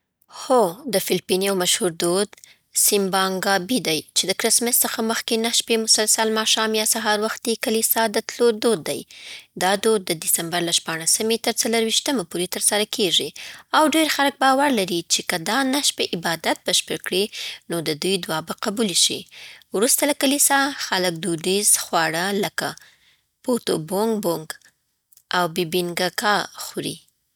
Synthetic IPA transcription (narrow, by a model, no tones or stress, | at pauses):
xod̪əfɪlpiniawmaʃhuɾd̪od̪ | sɪmbɑŋɡɑbid̪ajt͡ʃed̪əkɾɪsmɪsːəxaməxkenaʃpemʊsalsalmɑʃɑmjɑsaɦɑɾwaxt̪̚d̪ekəlisɑd̪ət̪loɾd̪od̪ːa̰jd̪ɑd̪od̪ːəd̪ɪsambaɾlaʃpɑɽ̃asəmet̪əɾt͡saləɾwiʃt̪əmapoɾet̪əɾsaɾakʰeʐiawɖeɾxaɾək̚bɑwaɾlaɾit͡ʃekəd̪ɑnaʃpeʔɪbɑd̪at̪̚bəʃpəɾkɽinod̪əd̪ujd̪wɑbaqabulʃḭwɾust̪alakalisɑxalək̚d̪udizxwɑɽələka | pot̪oboŋɡboŋɡ | ʔawbibiŋɡakɑxuɾḭ